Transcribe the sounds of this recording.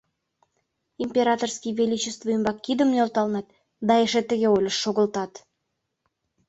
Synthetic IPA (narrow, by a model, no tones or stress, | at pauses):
impʲeɾɑt̪orskijvelit͡ɕest̪voəmbɑkːid̪əmneolˠt̪ɑlnɑt̪̚ | d̪ɑeʃet̪ːə̆ɣʲeolʲəʃːoɣə̆lt̪ɑt̪